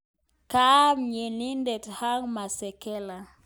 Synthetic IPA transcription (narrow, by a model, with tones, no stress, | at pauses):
ka˦mɲe˨ni˦ndɛ˨tha˦ŋma˨sɛ˨kɛ˦la˨